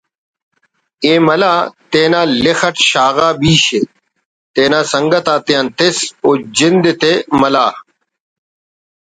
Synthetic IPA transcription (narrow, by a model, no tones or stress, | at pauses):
eːmɐlaːt̪eːnaːlexɐʈɕaːɣaːbiːɕe | t̪eːnaːsɐŋɡɐt̪aːt̪ijant̪esoːd͡ʑind̪et̪emɐlaː